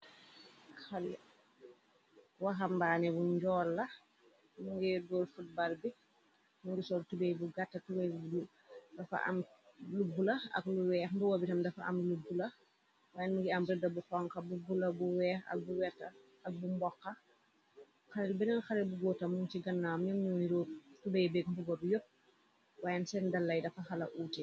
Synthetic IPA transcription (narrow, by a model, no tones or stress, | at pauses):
xɐlɛ̰ | wɐxɐmbaːnɛbuɲɟɔːlːɐ | muŋɡɛdɔːlfut̚balbi | muŋɡisɔltubɛjbuɡatːɐtubɛjlu | dɐfɐ̰ʔɐ̰mlubulɐɐ̰kluwɛːxbuwɔbitɐmdɐfɐʔɐ̰mlubulɐ | waːjɛnmuɡiɐmɾidɐbuxɔŋkɐbubulɐbuwɛːxɐ̰k̚buwɛtːɐ | ɐk̚bumbɔkːɐ | xɐlɛlbɛnɐnxɐlɛlbuɡɔːtɐmːuntiɡɐnːaːmɲɔmɲɔniɾɔtubɛjbɛɡbuɡɔdujop̚ | waːjɐnsɛndɐlːɐjdɐfɐxɐlɐʔuːtɛ